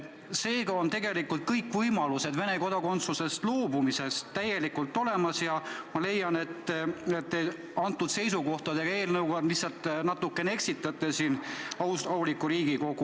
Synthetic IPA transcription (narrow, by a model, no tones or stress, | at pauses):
se̞ːɡɑo̞nt̪e̞ɡe̞likːˑult̪̚kɤjkːˑvɤjmɑluse̞d̪̥ve̞ne̞ko̞d̪̥ɑko̞nt̪suse̞st̪loːbumise̞st̪t̪ːæje̞likult̪ːˑo̞le̞mɑsjɑmɑle̞jːɑne̞t̪ːet̪ːe | ɑnt̪ːˑud̪̥se̞jsuko̞ht̪ɑd̪e̞ɡ̥ɑe̞ːlnɤwɡod̪lisːɑlt̪ːˑnɑt̪ːukːˑe̞nee̞ksit̪ːˑɑt̪ːˑesiːnɑɑulikːˑuɾiːɡ̥iko̞ɡ̥u